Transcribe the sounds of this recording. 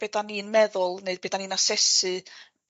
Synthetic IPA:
beːdaninmɛðʊlˠneɨd̚beːdaniːnasɛsɨ

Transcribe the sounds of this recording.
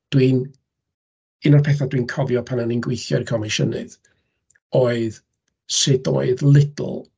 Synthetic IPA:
d̥wiːn | ɨnɔrpʰɛθadwiːnkʰɔvjɔpʰananinɡwɪjθjɔrkʰɔmɪʃənɨ̰ð | oːɨð | sɪdo̰ːɨðlˠɪd̰l̩ˠ

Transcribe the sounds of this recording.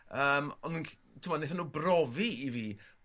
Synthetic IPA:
əːmɔndənɬ | tʰɪmɔneθanuːbrɔviiviː

